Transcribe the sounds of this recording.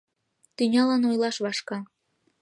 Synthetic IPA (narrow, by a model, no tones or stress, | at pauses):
t̪ynʲɑlɑnojlɑʃβɑʃkɑ